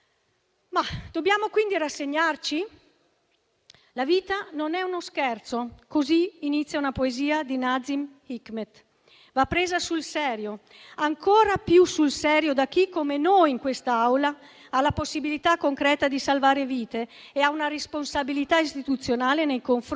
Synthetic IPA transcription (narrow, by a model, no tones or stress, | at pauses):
mad̪̥objaːmokwind̪iɾasːeɲːart͡ʃi | laviːt̪anonɛunoskɛrt̪sokoziinit̪sːjaunapoeziːad̪inad̪zimikmet̪ | vapːɾeːzasulsɛːɾjo | aŋkʰoːɾapjusulsɛɾjod̪ak̟ːikːomenojiŋkwest̪aawla | alaposːibilit̪akoŋkɾɛːt̪ad̪isalvaːɾeviːt̪eːaunaɾesponsabilit̪aist̪it̪ut̪sːjonaːlenejkoɱf